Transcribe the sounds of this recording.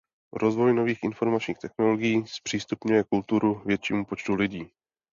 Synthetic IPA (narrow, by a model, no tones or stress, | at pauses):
ɾo̞zvo̞jno̞viːxʔɪnfo̞ɾmat͡ʃɲiːxt̪ɛxnoloɡɪjiːspr̝̥iːst̪upɲujɛkult̪uɾuvjɛt̪t͡ʃiːmupo̞t͡ʃt̪ulɪɟiː